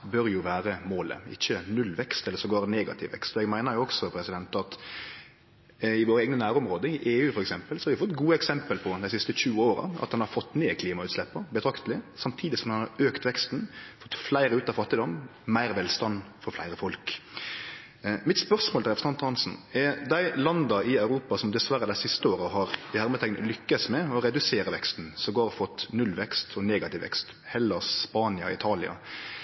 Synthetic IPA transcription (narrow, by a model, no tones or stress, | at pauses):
bœɾjʊʋæːɾəmoːlə̰ɪ̰çːənʉlʋɛkst̪ɛlːəɾsɔɡoːɾəneːɡɑ̰t̪ʰɪʋɛ̰kst̪ɔɛɡmæɪnəɾjʊɔksɔpʰɾɛsɪd̪ɛnt̪ɑt̪ | ɪʋoːɾəeːɡnənæːɾɔmɾoːd̪əɪʔeːʉːfɔɾɛksɛmpəlsɔhɑɾʋɪfɔt̪ːɡuːəɛksɛmpəlpʰɔd̪æɪsɪst̪əçʉːoːɾɑ̰ɑ̰t̪hɑnhɑɾfɔt̪ːneːkʰliːmɑʉːt̪slɛpːəbɛt̪ʰɾɑkt̪əlɪsɑmt̪ʰiːd̪ɪsɔmhɑnhɑɾøːkt̪ʋɛkst̪n̩fɔt̪ːflæɪɾəʉːt̪ɑfɑt̪ːɪd̪ɔmmæɪɾʋɛːlst̪ɑnːfɔɾflæɪɾəfɔlk | mɪt̪spœʁsmoːləɾɛpɾsɑnt̪hɑnsn̩ɛɾd̪æɪlɑnd̪ɑɪɑʉɾuːpɑsɔmd̪ɛsʋæɾːəd̪æɪsɪst̪əoːɾəɦɑːɾɪhæɾmət̪ʰɛŋnə̰lʏkːəsmɛɔɾɛd̪ʉseːɾəʋɛkst̪n̩sɔɡoːɾɔfɔt̪ːnʉlʋɛkst̪ʰɔneːɡɑt̪ɪʋɛ̰kst̪ | hɛlːəspɑːnɪɑ̰ɪt̪ʰɑːlɪɑ̰